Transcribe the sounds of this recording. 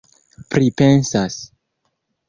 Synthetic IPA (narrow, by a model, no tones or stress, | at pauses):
pɾipe̞nsas